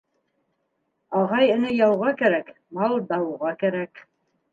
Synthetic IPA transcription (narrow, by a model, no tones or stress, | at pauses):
ɑʁɑjɘ̆nɘjɑwʁɑkæɾæk | mɑw̪ˠd̪ɑwʁɑkæɾæk